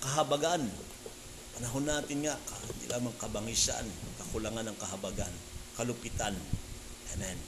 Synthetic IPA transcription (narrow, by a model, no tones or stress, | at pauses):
kɐɦɐbaɡan | pɐnɐɦonːaːt̪ɪnŋaʔkahɪnd̪ḭlʔaːmɐŋkɐbɐŋisa̰nkɐkʊlaŋanɐŋkɐɦɐbaɡan | kɐlʊpit̪an | ʔɛmɛn